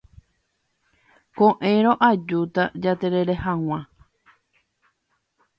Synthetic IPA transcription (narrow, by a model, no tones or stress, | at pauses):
kõʔẽ̞ɾ̃õʔad͡ʒut̪ad͡ʒat̪eɾe̞ɾe̞hãw̃ã